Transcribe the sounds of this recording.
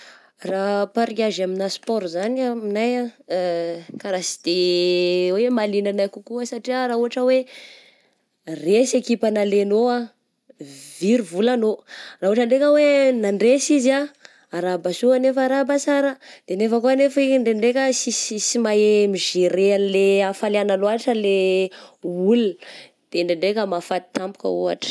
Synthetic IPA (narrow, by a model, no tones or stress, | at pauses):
rapaɾikʲaʒaminaspɔɾzanaminaja | kaɾasi̥d̪̥e | wemalinanajkukuəsaʈ͡ʂiaɾauɦaʈ͡ʂəwe | resekipanalenoa | viɾivulanorauaʈ͡ʂəɳɖ͡ʐekʲəwenaɳɖ͡ʐesiziaː | ɾabasuanefaɾabasaɾəd̪̥enefakuanefiɳɖ͡ʐeɳɖ͡ʐekəsisisimaemiʒiɾeanleafaleanaloaʈ͡ʂəle | ulin | d̪̥eɳɖ͡ʐeɳɖ͡ʐekʲəmafat̪i̥t̪ampu̥kə̰oa̰ʈ͡ʂə̥